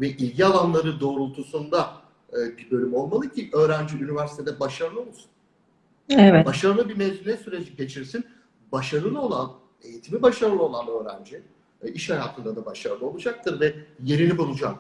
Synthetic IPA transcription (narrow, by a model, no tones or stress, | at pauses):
vɛʔilʲɟialˠanlˠaɾɯd̪o̞ːɾulˠt̪ʰusund̪a | ɯːbiɾbø̞lʲymo̞lˠmalˠɯcʰiʔø̞ːɾænd͡ʒiynivæɾsi̥t̪ʰe̞d̪ɛbaʃaɾɯlˠɯo̞lˠsu̥n | ɛvɛbaʃaɾɯlˠɯbimɛzinʲɛsyɾed͡ʒiɟe̞t͡ʃʰiɾsin | baʃaɾɯlˠɯo̞lˠan | e̞jit̪ʰimibaʃaɾɯlˠɯo̞lˠanø̞ːɾæ̰nd͡ʒi | iʃhajaːt̪ʰɯnd̪ad̪abaʃaɾɯlˠɯo̞lˠud͡ʒak̚t̪ʰɯɾvɛje̞ɾinibulˠud͡ʒak